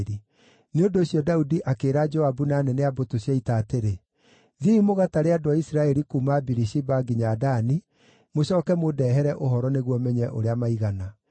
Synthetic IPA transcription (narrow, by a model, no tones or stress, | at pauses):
ɾi | neondooɕjɔdaudiʔakeːɾad͡ʒɔabunaːnɛnɛabotoɕiaitaːteɾe | ðiimoɣataɾeadoaisiɾaɛɾikuːmabiɾiʃibaɡiɲadani | moɕɔːkɛmodɛːɦɛɾɛʔoɦɔɾɔneɣwɔmɛɲɛʔoɾeamaiɣana